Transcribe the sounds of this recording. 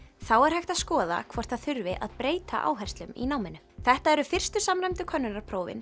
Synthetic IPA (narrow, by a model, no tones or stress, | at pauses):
θawɛɾ̥hajxt̪aðskɔːða̰kʰvɔr̥t̪ʰaðθʏɾvɪʔaðpɾeːjt̪a̰ʔa̰ːwɦɛjrst̪lʏmḭnaːwmɪnːʏ | θɛht̪aɛɾʏfɪr̥st̪ʏsamɾajmt̪ʏkʰœnːʏnaɾpʰɾoːwvɪ̰n